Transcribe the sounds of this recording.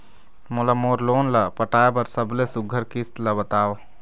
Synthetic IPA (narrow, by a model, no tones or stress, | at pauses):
molamoːɾloːnlapəʈaːebəɾsəblesuɡʱəɾkist̪ləbət̪aːw